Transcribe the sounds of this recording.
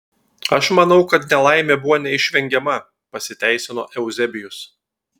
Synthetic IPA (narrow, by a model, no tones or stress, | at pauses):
ɐʃmɐnɒʊkɐt̪nʲɛlˠɐɪmʲeːbʊʋoːnʲɛɪʃʲʋʲɛŋʲɡʲɛmɐ | pɐsʲɪt̪ʲæˑɪsʲɪno̰ːʔɛʊzʲɛbʲɪjʊs